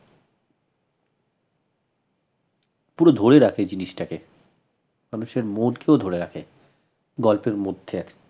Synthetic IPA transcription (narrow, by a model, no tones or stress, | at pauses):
puɾod̪ʱoɾeɾakʰed͡ʑiniʃʈake | manuʃeɾmolkeod̪ʱoɾeɾakʰe | ɡɔlpeɾmod̪ʱːeɛk